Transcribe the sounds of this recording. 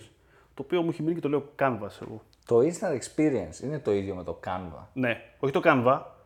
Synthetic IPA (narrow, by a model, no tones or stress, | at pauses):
s | t̪o̞ːpiomueçiminice̞t̪o̞le̞okɐnvɐsḛɣo̰ | t̪o̞inst̪ɐnd̪ekspiɾiɐnsinet̪o̞iðjomet̪o̞kɐnvɐ̰ne̞o̞çit̪o̞kɐnvɐ